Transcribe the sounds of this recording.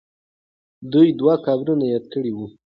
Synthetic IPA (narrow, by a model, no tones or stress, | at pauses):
d̪ujd̪wakɑbɾunajɑd̪̚kəɽiwu